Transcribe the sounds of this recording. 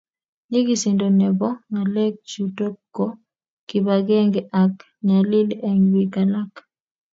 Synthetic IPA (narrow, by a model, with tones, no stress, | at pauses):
ɲi˦ɡi˨si˨ndo˨nɛ˨bɔ˦ŋa˨lɛ˦k̚d͡ʒu˨to˦kːɔ˦ | kibaɡɛ˦ŋɡa˨k | ɲa˨li˦lɛ˨ŋwikala˦k